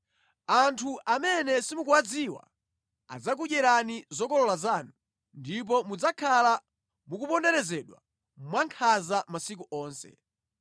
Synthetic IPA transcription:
antʰuʔamɛnɛsimukuwad͡ziwa̰ | a̰d͡zak̬uʄɛɾanizɔkɔlɔlazaːnu | ndip̬ɔmud͡zakʰala | mukupɔndɛɾɛzɛɗwa̰ | mwaŋkʰazamasik̬uʔɔːnsɛ̰

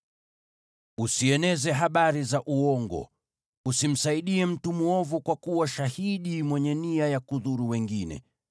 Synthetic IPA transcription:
usiɛnɛzɛɦaɓaɾizaʔuɔŋɡɔ̰ | usim̩saiɗiɛm̩tumuɔvukwakuwaʃahiɗimwɛɲɛniajakuðuɾuwɛŋɡinɛ̰

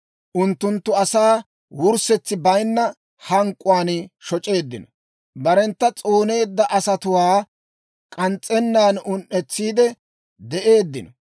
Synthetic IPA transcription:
ʔʊnt̪ːʊnt̪ːʊɐsaː | wʊɾsɛt͡sːɪbɐjnːɐ | hɐŋkʼːʊwaːnʃɔt͡ʃʼe̞ːd̪ːɪnɔ | bɐɾɛnt̪ːɐt͡sʼoːne̞ːd̪ːɐʔɐsɐt̪ʊwaː | kʼɐnt͡sʼːɛnːaːnʊnʔɛt͡sːiːd̪ɛ | d̪ɛʔe̞ːd̪ːɪnɔ

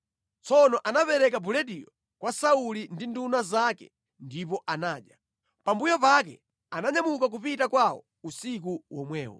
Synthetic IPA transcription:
t͡sɔnɔʔanapɛɾɛkabulɛɗijɔ | kwasaulindindunazakɛ̰ | ndipɔʔanaːɗja | pambujɔpak̬ɛ̰ | anaɲamukak̬upitakwawɔ̰ | usikuwɔmwɛːwɔ̰

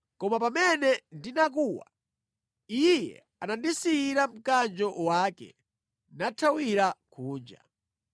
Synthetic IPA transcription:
kɔmapamɛnɛndinak̬uwa̰ | ijɛ̰ | anandisiːɾam̩kand͡ʒɔwaːkɛ̰ | natʰawiɾakʰuːnd͡ʒa̰

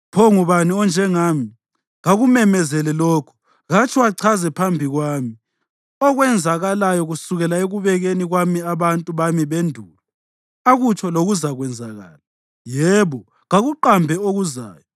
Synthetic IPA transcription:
pʰɔŋuβaniɔnd͡ʒʱɛŋaːmi | ɣaɣumɛmɛzɛlɛlɔːkʰɔ̥ | ɣat͡ʃʰʼiwaǀʰazɛpʰambʱiɣwaːmi | ɔɣwɛnd͡zʱaɣalajɔɣusuɣɛlaeɣuβɛɣeniɣwamiaβantʼuβamiβendʱuːla | aɣut͡ʃʰɔloɣuzaɣwɛnd͡zʱaɣa̰ːla | jɛβɔ | ɣaɣuǃambʱɛoɣuza̰ːjɔ

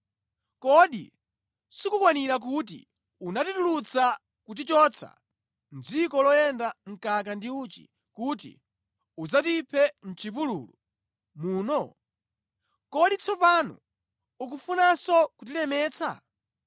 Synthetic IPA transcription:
kɔɗḭ | sikukwaniɾak̬ut̬ḭ | unatitulut͡sa | kut̬it͡ʃɔːt͡sʰa̰ | nd͡zikɔlɔjɛndaŋ̩kakandiuːt͡ʃḭ | kutḭ | ud͡zatipʰɛn̩t͡ʃipulṵːlu | muːnɔ | kɔɗit͡sʰɔpanɔ̰ | uk̬ufunasɔkut̬ilɛmɛːt͡sa̰

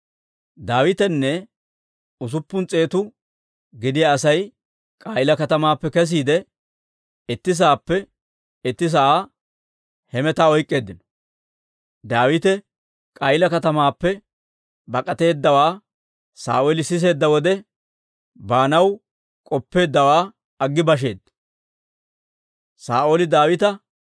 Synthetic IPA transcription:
d̪aːwɪt̪ɛnːɛ | ʊs̬ʊpːʊnt͡sʼe̞ːt̪ʊ | ɡɪd̪ɪjɐːsɐj | kʼajɪlɐkɐt̪ɐmaːpːɛkɛs̬iːd̪ɛ | ɪt̪ːɪs̬aːpːɛ | ɪt̪ːɪs̬ɐʔaː | hɛmɛt̪aːɔjkʼːe̞ːd̪ːɪnɔ̥ | d̪aːwɪt̪ɛ | kʼɐjɪlɐkɐt̪ɐmaːpːɛ | bɐkʼɐt̪e̞ːd̪ːɐwaː | sa̰ːʔolɪsɪs̬e̞ːd̪ːɐwɔd̪ɛ | baːnɐw | kʼɔpːe̞ːd̪ːɐwaː | ɐɡːɪbɐʃ̬e̞ːd̪ːɐ | saːʔoːlɪd̪aːwɪt̪ɐ

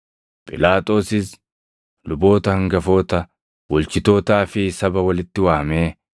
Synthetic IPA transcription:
pʼɪ̰laːt̪ʼo̞ːsɪs | lʊbo̞ːt̪ɐhɐŋɡɐfo̞ːt̪ɐ | wɔlt͡ʃɪt̪o̞ːt̪aːfɪsɐbɐwɐlɪt̪ːɪwaːmeː

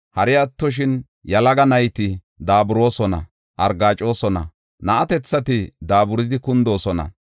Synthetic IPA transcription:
hɐɾɪjɐt̪ːɔʃ̬ɪn | jɐlɐɡɐnɐjt̪ɪ | d̪aːbʊɾo̞ːsɔnɐ̰ | ʔɐɾɡaːt͡ʃʼo̞ːsɔnɐ̰ | nɐʔɐt̪ɛt͡sːɐt̪ɪd̪aːbʊɾɪd̪ɪkʊnd̪o̞ːsɔnɐ̰

